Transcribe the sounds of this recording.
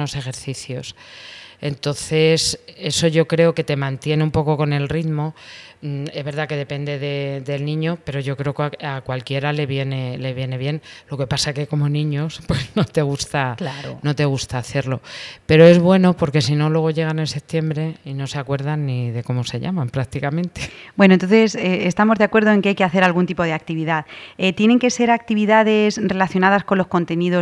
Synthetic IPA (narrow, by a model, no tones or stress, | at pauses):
o̞se̞xe̞ɾθiθjo̞se̞nt̪o̞nθe̞se̞so̞ʝo̞kɾe̞o̞ke̞t̪e̞mãnt̪je̞neumpo̞ko̞ko̞ne̞lriðmo̞ | e̞zβe̞ɾðake̞ðe̞pe̞nd̪e̞ðe̞ðe̞lnĩɲo̞pe̞ɾo̞ʝo̞kɾe̞okakwalkje̞ɾale̞βje̞ne̞le̞β̞je̞ne̞βje̞nlo̞ke̞pasaeke̞ko̞mo̞nĩɲo̞spwe̞zno̞t̪e̞ɣ̞ust̪aklaono̞t̪e̞ɣ̞ust̪aːθe̞ɾlo̞pe̞ɾo̞e̞zβ̞we̞no̞po̞ɾke̞sino̞lwe̞ɣ̞o̞ʎe̞ɣ̞anelse̞p̚t̪je̞mbɾe̞ino̞se̞akwe̞ɾðanːiðe̞ko̞mo̞se̞ʎa̰mampɾak̚t̪ikamẽ̞nt̪e̞̥bwenoent̪o̞nθeseːst̪amo̞zðeakwe̞ɾð̞oe̞ŋkeajke̞aθe̞ɾalɣ̞unt̪ipo̞ð̞e̞ak̚t̪iβ̞iðaðet̪je̞ne̞ŋke̞se̞ɾak̚t̪iβiðaðe̞sre̞laθjo̞naðasko̞lo̞sko̞nt̪e̞niðo̞